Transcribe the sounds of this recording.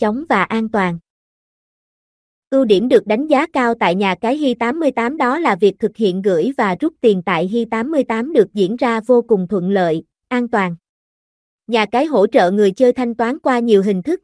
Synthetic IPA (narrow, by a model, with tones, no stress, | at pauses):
t͡ɕə˨˦wŋ͡mvaː˨˩ʔaː˧nt̪waː˨˩n | kɨ˧wɗi˧˩əmɗɨ˨˩ək̚ɗa˨˦jŋ̟zaː˨˦kaː˧wt̪a̰ː˧˨jɲaː˨˩kaː˨˦jɦi˧t̪aː˨˦mːɨ˧əjt̪aː˨˦mɗɔ˨˦laː˨˩vi˨˩ək̚t̪ʰɨ˨˩k̚hḭ˧˨ənɣɨ̰˧˥jvaː˨˩zʊ˦˥t̚t̪i˨˩ənt̪a̰ː˧˨jɦi˧jt̪aː˨˦mːɨ˧əjt̪aː˨˦mɗɨ˨˩ək̚zḭ˧˥ənzaː˧vo˧kʊ˨˩ŋ͡mt̪ʰwə̰˧˨nlə̰ː˧˨j | ʔaː˧nt̪waː˨˩n | ɲaː˨˩kaː˨˦jɦo̰˧˥t͡ɕə̰ː˧˨ŋɨ˨˩əjt͡ɕəː˧jt̪ʰa˧jŋ̟t̪waː˨˦nkwaː˧ɲi˨˩əwɦï˨˩ŋ̟t̪ʰɨ˦˥k̚